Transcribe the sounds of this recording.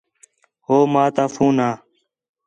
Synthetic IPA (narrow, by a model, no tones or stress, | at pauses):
ɦoːmaːt̪aːfũːnaː